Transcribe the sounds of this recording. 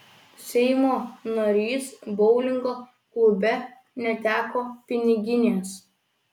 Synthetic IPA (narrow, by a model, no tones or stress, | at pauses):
sʲɛɪmoːnɐɾʲiːsbɔʊlʲɪŋɡoː | klˠʊbʲɛ | nʲɛt̪ʲæːkoːpʲɪnʲɪɡʲɪnʲeɛs